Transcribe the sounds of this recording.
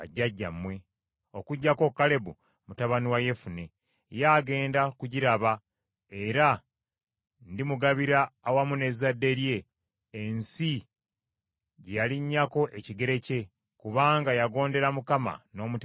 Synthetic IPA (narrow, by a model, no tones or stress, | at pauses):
a̰ɟːaɟːamwe̞ | o̞kuɟːako̞kːale̞βu | mutaβaniwaje̞fune̞ | jaːɡe̞ːndakuɟiɾaβa | e̞ɾa | ndimuɡaβiɾaːwamune̞zadːe̞ɾje̞ː | nsi | ɟejaliɲːako̞ʔeciɡe̞ɾe̞ce̞ | kuβaːŋɡajaɡo̞ːnde̞ɾamukama̰no̞ːmut